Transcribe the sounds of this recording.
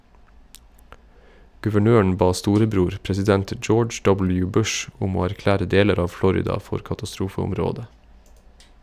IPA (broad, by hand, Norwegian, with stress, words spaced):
ɡʉʋəˈɳøːɳ̩ ˈbɑː ˈstuːɾəˌbɾuːɾ pɾɛsɪˈdɛnt ˈd͡ʒoːd͡ʒ ˈdɔbl̩ˌjʉː ˈbʉʃ ˈʊm ˈoː æɾˈklæːɾə ˈdeːləɾ ˈɑː ˈflɔɾɪdɑ ˈfɔɾ kɑtɑˈstɾuːfəʊmˌɾoːdə